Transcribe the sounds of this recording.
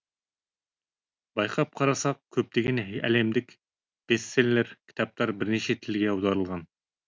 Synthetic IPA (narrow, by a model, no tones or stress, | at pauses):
bɑjqʰɑp̚qʰɑɾɑsɑq̚kʲʰɵp̚t̪ɪɡʲɪnɦæ̰lemd̪ɪkʲ | b̥esːellɪɾkʲʰi̥t̪ʰɑp̚t̪ɑɾbɪɾnet͡ʃʰet̪ʰɪlɡʲɛɑwd̪ɑɾəlˠʁɑn